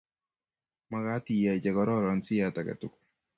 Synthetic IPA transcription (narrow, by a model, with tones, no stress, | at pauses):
ma˦ka˦ti˨ja˨i˨t͡ʃɛ˨kɔ˨ɾɔ˦˨ɾɔ˨nsɪ˦ja˦ta˨ka̰˨tʊ˨ku̥˦